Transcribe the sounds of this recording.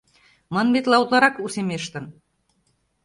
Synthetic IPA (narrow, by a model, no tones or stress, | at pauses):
mɑnbet̪lɑut̪lˠɑɾɑkusemeʃt̪ə̆n